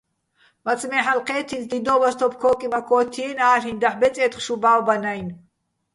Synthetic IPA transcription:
mat͡sʼmɛħalqʰɛːt̪ʰind̪id̪ɔbast̪ʰɔpʰkʰɔːkʼimakʰɔːt̪ʰiɛnaːɬind̪aħbɛt͡sʼɛːt̪χʃubaːwbanajn

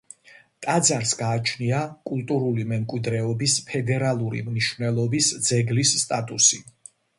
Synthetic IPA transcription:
t̪ʼad̪zaɾsɡaːt͡ʃʰniakʼult̪ʼuɾulimɛmkʼwid̪ɾɛɔbispʰɛd̪ɛɾalˠuɾḭmniʃvnɛlˠɔbisd̪zɛɡlisːt̪ʼat̪ʼusi

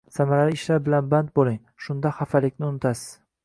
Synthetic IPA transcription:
samaɾalɪɪʃlaɾbɪlanbant̪̚bolˠɪŋ | ʃʊnd̪ahafalɪkʲnɪʊnɪt̪ʰasɪ̥z̥

